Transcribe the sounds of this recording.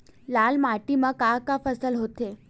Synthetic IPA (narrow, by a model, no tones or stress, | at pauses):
lalmaʈimakakafəsəlɦot̪e